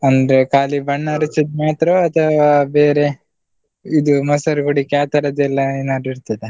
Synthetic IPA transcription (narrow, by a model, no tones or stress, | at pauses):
ɐnd̪ɾekaːlibɐɳːɐɾt͡ʃːid̪maːt̪ɾoɐt̪ʰɐʋaːbeːɾe | id̪umɐsɐɾɡuɽikaːt̪ɐɾɐd̪ɛlːɐinɐɾiɾt̪ɐd̪e